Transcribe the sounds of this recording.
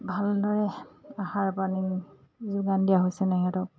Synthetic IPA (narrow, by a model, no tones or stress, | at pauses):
bʱaldɔɹɛaxaɹpani | zuɡandijaɦojsɛtɛŋɛtɔk̚